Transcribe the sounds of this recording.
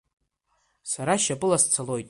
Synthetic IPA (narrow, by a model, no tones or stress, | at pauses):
saɾaʃapʼɨlast͡sʰalo̞jtʼ